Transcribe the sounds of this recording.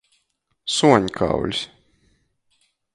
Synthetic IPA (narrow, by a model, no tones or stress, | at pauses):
suɔɲkʰa̰wlʲs